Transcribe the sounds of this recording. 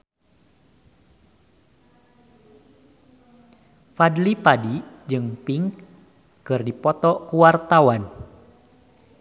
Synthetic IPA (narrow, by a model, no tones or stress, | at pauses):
fadlipadid͡ʒɨŋpiŋ | kɨrdipɔt̪ɔkuwart̪awan